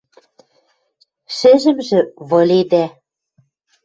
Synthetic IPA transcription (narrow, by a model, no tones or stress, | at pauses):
ʃɘ̆ʒɘ̆mʒɘ̆βɤ̆lʲed̪æ